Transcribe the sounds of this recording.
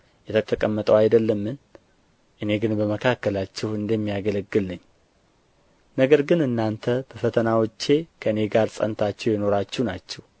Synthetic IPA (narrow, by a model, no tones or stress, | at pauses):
jɛt̪ʰət̪ʰəkʼəmːət̪ʼəwajd̪əlːəmːɨn | ʔɨne̞ɡɨnbəməkʰakːəlat͡ʃːɛhɨnd̪əmːijaɡələɡːɨlnəɲː | nəɡəɾɡɨnɨnːant̪ʰəb̪əfət̪ʰənawot͡ʃːe̞kʰəɨne̞ɡaɾsʼə̰nt̪ʰat͡ʃːɛwjɛno̞ɾat͡ʃːɛhnat͡ʃːɛw